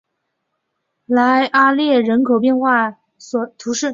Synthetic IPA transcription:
la˧˥ɪʔa˥ljɛ˥˩ɻə˧˥nkʰo˨˩ʊp̬jɛ˥˧nxwa˥˩ | swɔ˨˩t̪ʰu˧˥ʂɻ̩˥˩

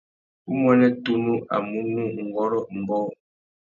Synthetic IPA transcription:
u˦mwɛ˦nɛ˦tu˦nu˦ʔa̰˨mu˦nu˦ŋ̩˨ɡɔ˦ɾɔ˦m̩˨bɔː˦

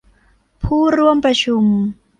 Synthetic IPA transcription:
pʰuː˥˩ɾu˥˩əmpɾa˧t͡ɕʰu˧m

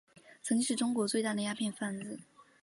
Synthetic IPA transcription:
t͡sʰɤ˧˥ŋt͡ɕĩ˥ʂɻ̩˥˩ʈ͡ʂʊ˥ŋkwɔ˧˥t͡swe˥˧ɪt̪a˥˩d̪ə˩ja˥pʰjɛ˥˧nfa˥˧nd͡zɹ̩˥˩

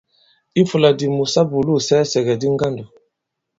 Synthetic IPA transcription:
i˦fu˨la˨di˨mu˨sa˦bu˨lu˦˨sɛ˦sɛ˨ɡɛ˨di˦ŋ˦ɡa˦ndu˨

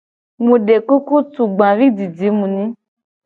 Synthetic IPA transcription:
mũ˨ɖe˨ku˦ku˦tu˨ɡ͡bã˨vi˦di˨di˨˦mũ˨nĩ˦

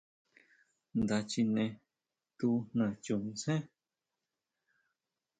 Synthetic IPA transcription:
nd̪a˧t͡ʃi˧nẽ˧ | t̪u˧n̥ã˨t͡ʃu˧nĩ˧sẽ˦

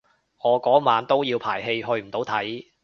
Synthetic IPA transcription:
ŋɔː˨˧kɔː˨˥maː˨˧nt̪o˥wjiː˧wpʰaː˨˩jɦe˧jɦɵ˧ɥm̩˨˩t̪o˨˥wt̪ʰɐ˨˥j

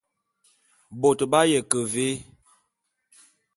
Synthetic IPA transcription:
bo˨tba˦jɛ˨kə˨ve˦

